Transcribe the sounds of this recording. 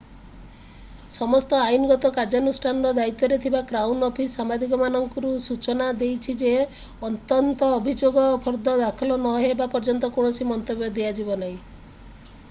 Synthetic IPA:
sɔmɔst̪ɔajunɔɡɔt̪ɔkaɾd͡ʒɔnusʈʰanɔɾɔd̪ait̪ːɔɾet̪ʰibakɾawnɔpʰisamad̪ʱik̬ɔmanɔŋkɔɾusut͡ʃɔnad̪ejt͡ʃʰid͡ʒe | ɔt̪ɔnt̪ɔːbʱid͡ʒoɡɔpʰɔɾd̪ɔd̪akʰɔlɔnɔɦebapɔɾd͡ʒɔnt̪ɔkɔɽ̃ɔsimɔnt̪objɔd̪ead͡ʒibɔnaĩ

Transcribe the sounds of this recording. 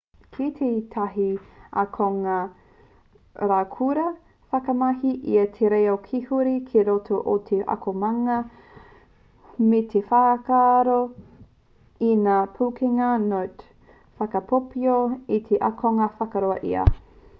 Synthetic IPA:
kʰit̪ʰeit̪ʰɐɦiʔɐ̰kʰoŋɐ | ɾaːkʰuɾɐ | fɐkɐmɐɦiʔḭɐtʰeɾejɐokʰihuɾikʰeɾotʰoʔotʰeʔɐ̰kʰomɐŋɐ | metʰefaːkaɾo | inaːpʰukiŋɐnot | fɐkɐpʰopioitʰeʔɐkʰoŋɐfɐkɐɾoɐʔiɐ̰

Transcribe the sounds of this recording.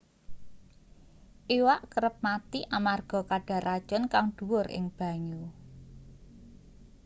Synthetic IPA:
ʔiwaʔkəɾəp̚mat̪iʔamarɡ̥ɔ̤kaɖ̥a̤ɾad̥ʒ̥ɔ̤nkaŋɖ̪̥ṳwʊrɪ̰ŋb̥ä̤ɲu

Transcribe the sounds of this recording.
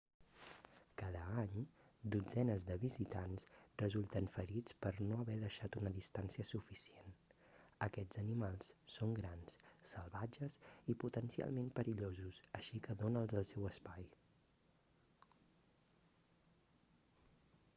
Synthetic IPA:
kaðəaɲd̪ud͡zɛnəzðəβizit̪ansrəzulˠt̪ənfəɾit͡spəɾnoəβɛðəʃat̪unəðist̪ansiəsufisien | əkɛd͡z̥ənimalˠssːoŋɡɾansːəlˠβad͡ʒəziput̪ənsia̰lˠmempəɾiʎozusəʃikəðonəːlˠzəlˠsɛwəspaj

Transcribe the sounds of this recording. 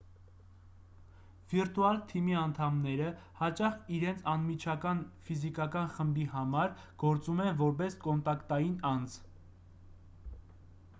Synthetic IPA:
v̥iɾt̪uɑlt̪ʰimiɑnt̪ʰɑmnɛɾə | hɑt͡ʃɑχiɾɛnt͡sʰɑnmit͡ʃʰɑkɑnfizikɑkɑnχəmbiɦɑmɑɾɡ̥ɔɾt͡sumɛnvɔɾp̬ɛskɔnt̪ɑkt̪ɑjinɑnd͡zʰ

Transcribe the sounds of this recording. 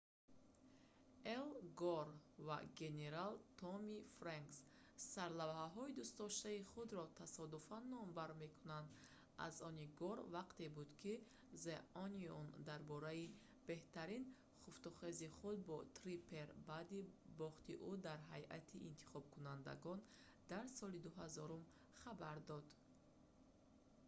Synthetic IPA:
elɡɔɾva̰ɡe̞ne̞ɾalt̪ʰɔmifɾaŋksː | aɾlavhaɦɔid̪ust̪ɔʃt̪aiχud̪ɾɔt̪ʰasɔd̪ufanːɔmbaɾme̞kʰunand̪ | a̰zɔniɡɔɾvaqt̪e̞bud̪kʰi | zeʔɔniɔ̰nd̪aɾbɔɾai | b̥e̞ht̪aɾin | χuft̪uχeziχud̪̚bɔt̪ʰɾipʰeɾbaːd̪ibɔχt̪iʔud̪aɾɦajʔa̰t̪ʰiʔint̪ʰi̥χɔb̚kʰunand̪a̰ɡɔn | d̪aɾsɔlid̪uɦazɔɾum | χabaɾd̪ɔd̪

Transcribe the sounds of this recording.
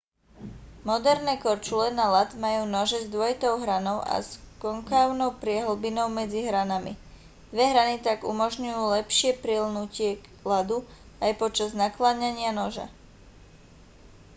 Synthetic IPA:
mɔd̪ɛɾnɛːkɔɾt͡ʃulɛnalat̪majuːnɔʒɛzd̪ʊɔjit̪ɔʊɦɾanɔʊʔa̰skɔŋkaʊnɔʊpɾɪɛɦl̩binɔʊmɛd͡ziɦɾanamḭ | d̪̥ʋɛɦɾanit̪aɡṵmɔʒɲujuːlɛpʃɪɛpɾilnucɪɛ | lad̪u | ajpɔt͡ʃaznaklaːɲaɲɪanɔʒa̰

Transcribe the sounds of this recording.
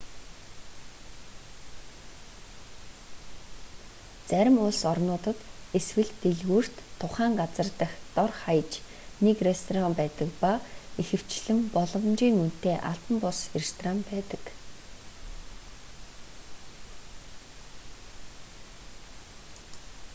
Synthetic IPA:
t͡sæɾʲɪ̆mʊɮsɔrnʊːt̪ə̆t̪eswɘ̆ɮt̪eɮɣuːr̥t̪ʰːʊχæːŋɢat͡sə̆rt̪ə̆xt̪ɔrχajt͡ɕ | nekrest̪ʰɔrampæːt̪ə̆kpaexɘ̆w̥t͡ɕɮɘ̆mpɔɮɞ̆wmt͡ɕiːŋun̥t̪eːʔaɬt̪ə̆mpʊserst̪ʰrampæːt̪ə̥̆k

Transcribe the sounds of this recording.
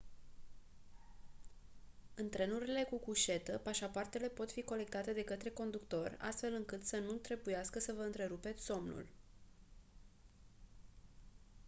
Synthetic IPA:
ɨnt̪ɾe̞nuɾile̞kukuʃe̞t̪əpaʃapoart̪e̞le̞po̞t̪fiko̞le̞k̚t̪at̪e̞d̪e̞kət̪ɾe̞ko̞nd̪ukt̪o̞rʲa̰st̪fe̞lɨŋkɨt̪sənut̪ɾe̞bujaskəsəvəɨnt̪ɾe̞ɾupe̞t̪sʲso̞mnṵl

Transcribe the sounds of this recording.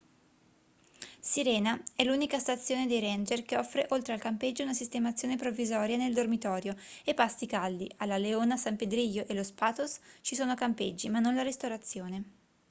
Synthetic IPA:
siɾɛːnaɛlːunikast̪at̪sːjoːned̪ejɾɛnd͡ʒerkeɔfːɾeʔolt̪ɾealkamped͡ʒːounasist̪emat̪sːjoːnepɾovːizɔːɾjaneld̪ormit̪ɔːɾjoepːast̪ikald̪iʔalːaleoːnasamped̪ɾiʎːoʔelospaːt̪ost͡ʃisoːnokamped͡ʒːimanːonlaɾist̪oɾat̪sːjoːne

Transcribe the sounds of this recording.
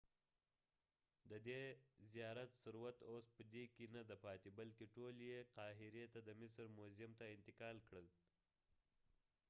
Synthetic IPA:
d̪əd̪ezijɑɾat̪sʊɾwat̪ospəd̪ekenad̪apɑt̪ibalkeʈoljeqɑːɦɪɾet̪ad̪əmɪsɾmozɪmt̪aɪnt̪ɪqɑːlkɽəl

